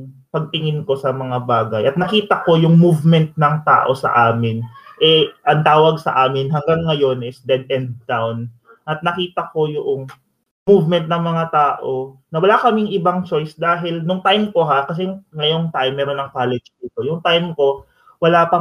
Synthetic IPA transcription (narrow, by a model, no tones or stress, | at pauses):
pɐɡ̚t̪ɪŋɪnko̞sɐmɐŋabaːɡɐjʔɐt̪̚nɐkiːt̪ɐko̞jʊŋmuvmɛnt̪̚nɐŋt̪a̰ːʔo̞sɐ̰ʔaːmɪnʔɛʔɐŋt̪aːwɐɡsɐ̰ʔaːmɪnɦɐŋɡaŋːɐjo̞nʔɪsd̪ɛd̪ɛnd̪̚t̪awn | ʔɐt̪̚nɐkiːt̪ɐko̞jʊʔoŋ | muvmɛnt̪̚nɐŋmɐŋat̪aːʔo̞nɐwɐlakɐmɪŋʔɪbaŋt͡ʃo̞jsd̪aːɦɪlnʊŋt̪ajmko̞ɦakɐs̬ɛŋɐjo̞ŋt̪ajmːɛːɾo̞nɐŋkaːlɛd͡ʒd̪iːt̪o̞jʊŋt̪ajmko̞ | wɐlapɐ